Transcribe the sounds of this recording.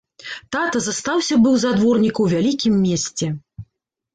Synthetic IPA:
t̪at̪ɐzɐst̪awsʲɐbɨwzad̪vɔrnʲikɐwvʲalʲikʲimːʲesʲt͡sʲɛ

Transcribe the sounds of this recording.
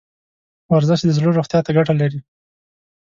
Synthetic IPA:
waɾzaʃd̪əzloɾoxt̪jɑt̪aɡaʈalaɾi

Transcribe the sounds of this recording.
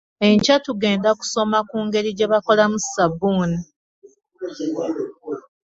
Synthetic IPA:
e̞ɲcatuɡe̞ːndaku̥so̞makuːŋɡe̞ɾiɟe̞βako̞lamusabuːni

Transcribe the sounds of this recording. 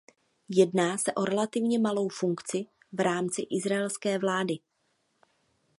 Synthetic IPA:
jɛdnaːsɛʔo̞ɾɛlat̪ɪvɲɛmalo̞wfuŋkt͡sɪ | vɾaːmt͡sɪʔɪzɾaɛlskɛːvlaːdɪ

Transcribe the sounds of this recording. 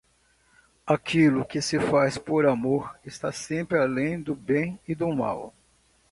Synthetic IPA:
akʰilʊkɪsɪfajspoɾamoɾɪst̪asẽpɾɪalẽj̃d̪ʊbẽj̃ɪd̪ʊma̰w

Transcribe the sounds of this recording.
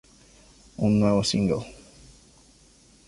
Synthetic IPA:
ũnewosĩŋɡo

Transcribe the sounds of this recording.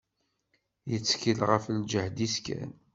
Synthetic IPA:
jət͡sːkilʁəfəld͡ʒəhd̪iskæ̰n

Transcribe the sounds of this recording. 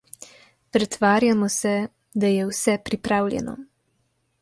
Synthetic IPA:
pɾɛt̪ʋaːɾjamɔsɛ | d̪ajɛwsɛpɾipɾaːwlʲjɛ̰nɔ̰

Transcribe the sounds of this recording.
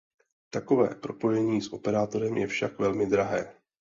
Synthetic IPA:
t̪ako̞vɛ̰ːpɾo̞po̞jɛɲiːsʔo̞pɛɾaːt̪o̞ɾɛmjɛfʃakvɛlmɪd̪ɾaɦɛː

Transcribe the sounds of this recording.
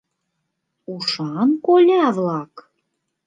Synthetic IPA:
uʃɑnkolʲæβlɑk

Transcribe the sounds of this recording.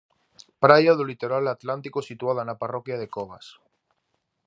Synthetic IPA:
pɾajaðulit̪oɾalat̪lant̪ikosit̪uaðanaparokjaðe̞koβas

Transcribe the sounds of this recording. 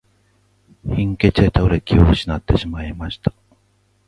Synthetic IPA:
hĩŋke̞t͡ɕet̪aɯɾekʲioɕinat̪ːe̞ɕimaimaɕi̥t̪ḁ

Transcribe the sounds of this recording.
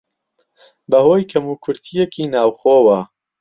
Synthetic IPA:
bɐhoːjkʰɐmuːkʰʊɾt̪ʰijekʰiːnaːwxoːwɐ

